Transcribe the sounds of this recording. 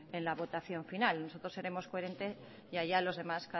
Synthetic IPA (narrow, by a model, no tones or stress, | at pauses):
e̞nlaβo̞t̪aθjo̞ɱfinalno̞so̞t̪ɾose̞ɾe̞mo̞skoe̞ɾe̞nt̪e̞s | jaʝalo̞zðemaska